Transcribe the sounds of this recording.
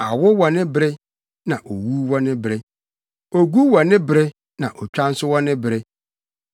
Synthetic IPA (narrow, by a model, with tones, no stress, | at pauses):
a˨wʊ˦wɔ˨nɪ̃˦bɾɛ˦ | nã˨ʔo˨wu˦wɔ˦nɪ̃˦bɾɛ˦ | o˨ɡu˦wɔ˨nɪ̃˦bɾɛ˦ | nã̰˨ʔɔ˨t͡ɕᶣa˦n̩˦sʊ˦wɔ˦nɪ̃˦bɾɛ˦